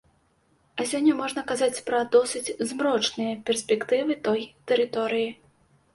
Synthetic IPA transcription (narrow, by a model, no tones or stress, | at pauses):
ɐsʲɔnʲːɐmɔʐnɐkazat͡sʲpɾɐd̪ɔsɨt͡sʲzmɾɔt͡ʂnɨjɐpʲɛrsʲpʲɛkt̪ɨvɨt̪ɔjt̪ɛɾɨt̪ɔɾɨji